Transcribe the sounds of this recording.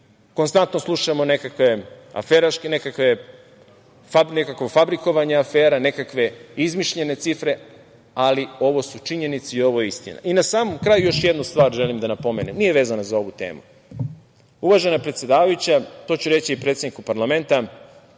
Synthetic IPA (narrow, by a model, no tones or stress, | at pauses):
konst̪ant̪no̞slˠuʃamo̞ne̞kakʋe̞a̰feɾaʃkenekakʋe̞ | fanekakʋofabɾiko̞ʋaɲeafeːɾane̞kakʋe̞izmiʃʎe̞ne̞t̪sifɾe̞ | alio̞ʋo̞sut͡ʂiɲe̞nit̪siio̞ʋo̞jeist̪ḭna̰ʔinasaːmomkɾaːjujo̞ʃjed̪nust̪ʋaːɾʒe̞limd̪anapo̞meːnemnije̞ʋe̞ːzanazao̞ʋut̪e̞̰ːmu | uʋaʒe̞napɾet̪sʲed̪aːʋajut͡ɕat̪o̞ːt͡ɕuɾe̞t͡ɕiipɾet̪ed̪nikupaɾlame̞nt̪a